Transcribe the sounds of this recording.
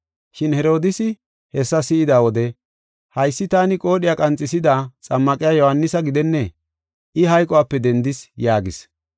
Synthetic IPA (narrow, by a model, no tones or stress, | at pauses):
ʃɪnhɛɾo̞ːd̪ɪsɪ | hɛsːɐsɪɪd̪aːwɔd̪ɛ | hɐjsːɪt̪aːnɪkʼo̞ːɗɪjakʼɐnt͡sʼɪsɪd̪at͡sʼɐmːɐkʼɪjaːjɔhɐnːɪsɐɡɪd̪ɛnːɛ | ʔɪɦɐjkʼɔwaːpːɛd̪ɛnd̪ɪsjaːɡɪs